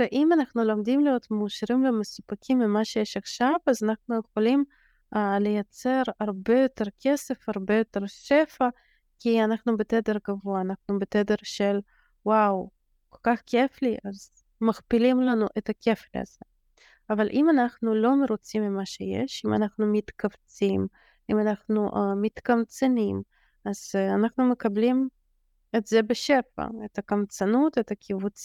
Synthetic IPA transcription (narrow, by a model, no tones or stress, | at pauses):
veʔimanaχnulomd̪imlijot̪meːʃaɾimvemesupakʰimːimaʃejeʃaχʃavazanaχnujeχolim | lejat͡seɾaʁbejot̪eɾkʰesefaʁbejo̞t̪eɾʃefa | kianaχnubet̪ed̪eɾɡavoaːnaχnubet̪ed̪eɾʃel | waw | kolkaχkʰefliʔaz | maχpilimlanuʔet̪akʰeflḭa̰z̥e | avalʔimanaχnulo̞meɾot͡simːimaʃejḛʃima̰naχnumit̪kavt͡sim | imanaχnuʔmit̪kamt͡senim | az̥anaχnumekablim | et̪zebeʃefa̰et̪akamt͡sanut̪et̪akʰivut͡s